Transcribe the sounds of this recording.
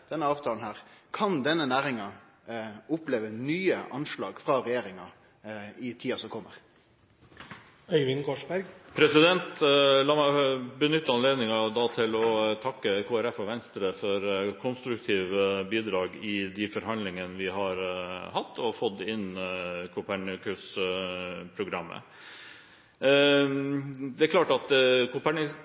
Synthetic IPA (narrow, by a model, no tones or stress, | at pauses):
d̪̥ɛnəɑːʋt̪ʰɑːn̩hæːɾkʰɑnd̪ɛnːənæːɾɪŋɑ | ʊpleːʋənyːəʔɑnʂlɑːɡfɾɑɾɛjeːɾɪŋɑ | ɪt̪ʰiːɑsɔkʰɔmːə̰ɾ | œʏʋɪŋkʰɔʂbæɾɡpʰɾɛsɪd̪ɛnt̪lɑːmæbənʏt̪ːəɑnleːd̪nɪŋɑd̪ɑːt̪ʰɪlɔt̪ʰɑkːəkʰoːæɾɛfɔʋɛnst̪ɾəfɔɾkʰɔnst̪ɾʉk̚t̪ʰiːʋəbiːd̪ɾɑːɡɪd̪ɪfɔɾhɑnd̪lɪŋənəʋɪɦɑɾhɑt̪ːɔfɔt̪ːɪnkʰʊpæɳɪəkʉs | pʰɾʊɡɾɑmːə̰ | d̪ɛækʰlɑːʈɑt̪kʰʊpʰæɳɪ